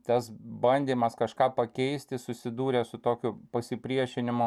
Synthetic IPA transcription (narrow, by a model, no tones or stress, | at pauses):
t̪ɐsbɐnʲd̪ʲiːmɐskɐʃkɑːpɐkʲɛɪsʲt̪ʲɪsʊsʲɪd̪uːɾʲɛsʊt̪oːkʲʊpɐsʲɪpʲɾʲiɛʃʲɪnʲɪmo